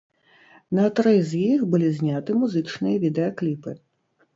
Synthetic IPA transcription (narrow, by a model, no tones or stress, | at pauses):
nɐt̪ɾɨzʲjixbɨlʲizʲnʲat̪ɨmuzɨt͡ʂnɨjɐvʲid̪ɛɐklʲipɨ